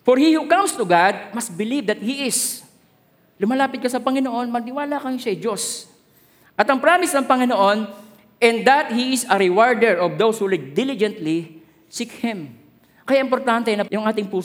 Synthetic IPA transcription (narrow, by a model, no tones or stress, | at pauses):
fɔɹhihukãmst̪ʊɡad̪̚mɐs̚bɪlivd̪ɐt̪̚hiʔɪs | lʊmɐlaːpɪd̪̚kɐsɐpɐŋɪnoʔo̞nmɐɡ̚nɪwaːlɐkɐjɪʃɐjd͡ʒos | ʔɐt̪ɐŋpɾamɪsnɐŋpɐŋɪnoʔo̞n | ʔɛ̃nd̪d̪ɐt̪hiɪsɐɾɪwaɹd̪ɛɹʔɔvd̪owshulɪɡ̚d̪ɪlɪd͡ʒɛnt̪li | sikhɪm | kɐjaʔɪmpoɾt̪ant̪ɛnɐjʊŋʔaːt̪ɪŋpuː